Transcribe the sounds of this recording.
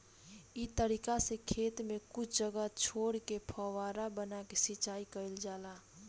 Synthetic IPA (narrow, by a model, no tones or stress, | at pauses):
it̪əɾiːkasekʰeːt̪mẽkʊt͡ʃʰd͡ʒəɡat͡ʃʰoːɽkepʰɔwaːɾabənakesɪt͡ʃaːikəɪld͡ʒaːlaː